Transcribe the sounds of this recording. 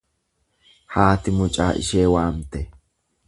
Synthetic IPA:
haːt̪ɪmʊt͡ʃʼaːʔɪ̰ʃeːwaːmt̪ɛ

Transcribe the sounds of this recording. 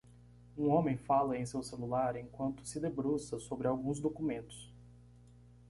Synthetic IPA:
ũõmẽj̃falɐẽj̃sewselulaɾẽj̃kwɐ̃nt̪ʊ̥sɪd̪ebɾusɐsobɾɪawɡũzd̪okumẽnt̪ʊ̥s

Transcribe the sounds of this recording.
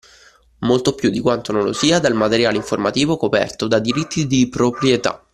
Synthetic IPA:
molt̪opjud̪ːikwant̪ononlo̰siːad̪almat̪eɾjaːleiɱformat̪iːvokopɛ̰rt̪od̪ad̪iɾit̪ʰːid̪ipɾopɾjet̪a̰

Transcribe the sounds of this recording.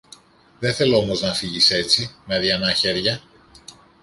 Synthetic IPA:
ðeθe̞loomo̞znɐfiʝise̞t͡simeɐðiɐnɐçe̞ɾʝɐ

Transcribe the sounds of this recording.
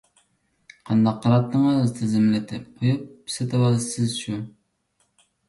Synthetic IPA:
qʰɑnd̪ɑqːɑɾɑt̪nɨŋɨzt̪ʰɪzɪmlɪt̪ʰɪp̚qʰojup̚set̪ʰwɑsɪzʃʰu

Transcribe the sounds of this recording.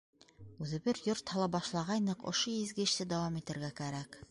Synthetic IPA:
ʉðɘ̆bɘɾjoɾt̪hɑlˠɑbɑʃlˠɑʁɑjnɤqŏ̰ʃojizɡɘ̆ɘ̆ʃt̪ɘd̪æwɑmit̪ɘ̆ɾɡækæɾæk

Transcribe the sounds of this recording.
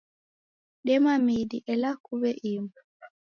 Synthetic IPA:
ɗɛmamidiʔɛlakːubɛʔimbu

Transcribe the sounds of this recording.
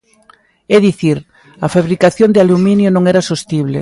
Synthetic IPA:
ɛðiθiɾ | ɐfaβɾikaθjond̪ɪalumĩnjonõŋɛɾasost̪iβlḛ

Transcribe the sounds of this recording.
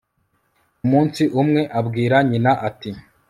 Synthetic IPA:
umuːnsiʔumŋe̞ʔabɡiːɾaɲinaʔati

